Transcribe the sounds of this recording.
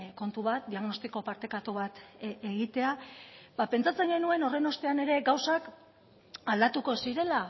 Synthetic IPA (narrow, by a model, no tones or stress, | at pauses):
ko̞nt̪uβat̪̚d̪iaɣno̞st̪iko̞paɾt̪e̞kat̪uβat̪eɣit̪e̞abape̞nt͡sat͡se̞ŋɡe̞nue̞no̞re̞no̞st̪e̞ane̞ɾe̞ɡawsak | ald̪at̪uko̞siɾe̞la